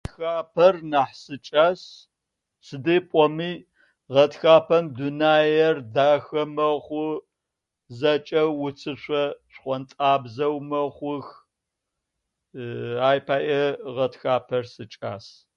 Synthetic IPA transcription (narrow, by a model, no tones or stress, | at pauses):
txaːpʰɐrnaħsɨt͡ʃʼaːs | sɨdipʼɔmiː | ʁɐtxaːpʰɐmdunaːjɛrdaːxɐmɐχʷʊ | zɐt͡ʃʼɐwʊt͡sʰɨɕʷɐɕχʷɔntʼaːbzɐwmɐχʷʊx | aːjpʰaːʔɛʁɐtxaːpʰɐrsɨt͡ʃʼa̰ːs